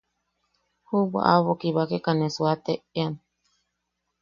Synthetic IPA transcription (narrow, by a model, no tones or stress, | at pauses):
huba̰ʔaβokiβakekanesuat̪eean